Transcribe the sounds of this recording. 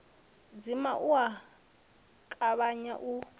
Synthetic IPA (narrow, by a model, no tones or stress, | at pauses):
d͡zimaʔua | kʼaβaɲa̰ʔu